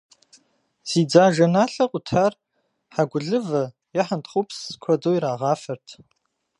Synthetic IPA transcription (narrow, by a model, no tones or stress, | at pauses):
z̥iːd͡zaːʒɐnaːɬɐqʷʼʊtʰaːr | ħaɡʷʊɮɨvɐ | jaħəntʰʼχʊpʰskʷʰɔdoːiɾaːʁɑːfɐrtʰ